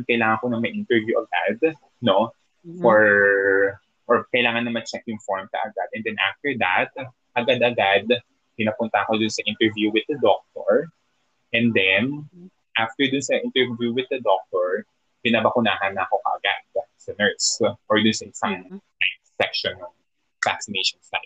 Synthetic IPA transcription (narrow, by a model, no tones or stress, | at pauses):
kɐjlaːŋɐŋkonɐŋmɐjʔĩnt̪ɛɹvjuʔɐɡad̪ | no̞ | fɔɹ | ʔɔɹkɐjlaːŋɐnːɐmanʃɐŋʔɪnfoɹmkɐ̰ʔɐɡad̪ʔɛ̃nd̪ɛnʔa̰ft̪ɛɹd̪at̪̚ | ʔɐɡad̪ʔɐɡad̪̚ | pɪnapʊnt̪ɐʔɐko̞d̪ʊnsɐʔɪ̃nt̪ɛɹvjuwɪd̪̚ɐd̪ok̚t̪oɹ | ʔɛ̃nd̪ɛn | ʔaft̪ɛɹd̪ʊnsɐʔɪnt̪ɛɹvjuwɪðɐd̪ok̚t̪oɹ | pɪnabɐkʊnaːɦɐnːɐʔɐko̞kɐ̰ʔɐ̰ɡa̰d̪̚sɐnɛɹt̪sʔɔɹd̪ʊnsɐʔɪsaŋ | a | sɛkʃɔnɐŋ | fa̰ksɪnejʃɔ̃nsa̰ɪ